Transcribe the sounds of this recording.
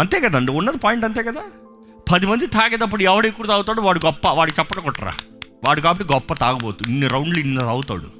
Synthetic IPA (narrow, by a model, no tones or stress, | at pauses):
ɐnt̪eːɡɐd̪aɐɳɖiunːɐd̪ipaːjiɳʈɐnt̪eːɡɐd̪aː | pʰɐd̪imɐnd̪it̪ʰaːɡɛːd̪ɐp̬ːuɽuɛʋɐɽeːkuːɾut̪aːwt̪aːɽuʋaːɽuɡɔpːɐʋaːɽut͡ʃɛpːɐʈɐkɔʈːɐɾa̰ː | ʋaːɽukaːbɐʈiɡɔpːɐt̪aːɡɐboːt̪uinːiɾɐwɳɖlinːɐt̪aːwut̪a̰ːɽṵ